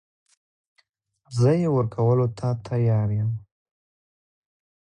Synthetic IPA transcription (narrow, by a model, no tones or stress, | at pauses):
zəjewəɾkʰawəlot̪ʰat̪ʰajɑɾjəm